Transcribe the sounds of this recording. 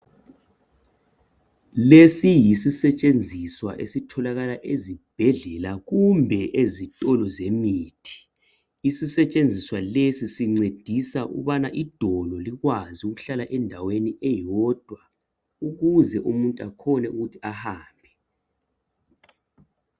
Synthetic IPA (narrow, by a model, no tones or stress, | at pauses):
lesijisisɛt͡ʃʼend͡zʱiswa̰ʔḛsitʰɔlaɣalaʔezib̥ʱɛɮɛlaɣumbʱɛʔezitʼɔlɔzemiːtʰi̥ | isisɛt͡ʃʼend͡zʱiswalesisiŋ͡ǀed̥ʱisaʔṵβanaʔid̥ʱɔlɔliɣwaziuɣuɬalaʔɛndʱaweniɛjɔd̥ʱwa | uɣuzɛʔumuntʼuakʰɔnɛuɣutʰiahaːmbʱɛ